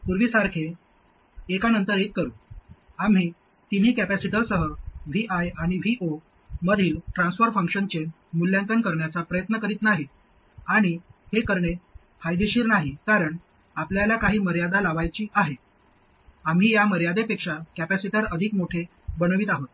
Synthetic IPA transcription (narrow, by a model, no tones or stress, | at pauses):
puɾʋiːsaɾkʰe | ekanənt̪əɾet̪̚kəɾuː | am̤iː | t̪in̤iːkæpæsiʈəɾsəɦəʋiʔajaɽ̃iʋiʔo | məd̪ʱiːlʈɾãnsfəɾfəŋkʂənt͡ɕe | muljãnt̪ənkəɾɳjat͡sapɾəjət̪nəkəɾiːt̪naɦi | aɽ̃ihekəɾɳe | fajd̪iɕiːɾnaɦikaɾəɳ | apljalakaɦiːməɾjad̪alaʋajt͡ɕiːʔaɦe | am̤ɦiːjaməɾjad̪epekʂakæpæsiʈaɾəd̪ʱikmoʈʰe | bənəʋiːt̪aɦot̪